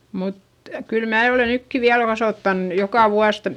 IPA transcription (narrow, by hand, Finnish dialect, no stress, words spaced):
mut kyl mæː ole nykːi ʋiæl kɑsoˑtːɑn jokɑˑ ʋuɑs